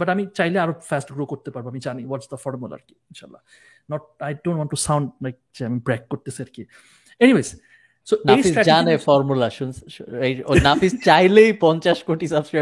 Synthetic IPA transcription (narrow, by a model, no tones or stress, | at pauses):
bɐʈamit͡ʃajleaɾofɛsʈɡɾokoɾt̪epaɾboamid͡ʑaniwɔʈsd̪ɐfɔɾəmulɐ̰ɾki̥ɪnʃaːlːa̰ | nɔʈ̚ajɖõːnʈwɔnʈːusãwɳɖlajk̚d͡ʒeamibɾɛkːoɾt̪eseɐɾki | eniʋeːz | sonejsisɾɛd͡ʒanefɔɾmulaʃunseonafist͡ʃajlejpɔnt͡ʃaʃkoʈisɐbskɾaj